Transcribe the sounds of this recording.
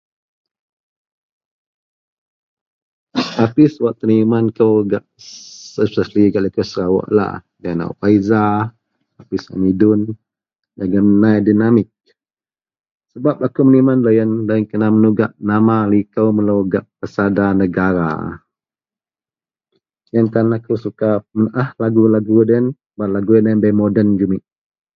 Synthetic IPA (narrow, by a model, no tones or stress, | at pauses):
apiswaʔt̪ərnimankəwɡaʔsəsəsliɡaʔlikəwsəɾawɔ̰ʔla̰ | daana̰paiza | apisa̰midʊn | laɡəmnajdinamɪk̚ | səbap̚akumənimanlajanlaŋkənamənuɡaʔnamalikəwməluɡaʔpəsadanəɡaɾa̰ | jankanakusukamənʔahlaɡulaɡudən | baʔlaɡujananbajmodənd͡ʒumɪʔ